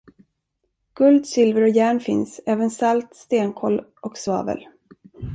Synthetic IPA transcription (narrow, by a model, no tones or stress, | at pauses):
ɡ̥ɵld̪sɪlvəɾɔjæːɳfɪnsɛːvənsalt̪st̪eːnkʰɔlɔksvɑ̰ːvə̰l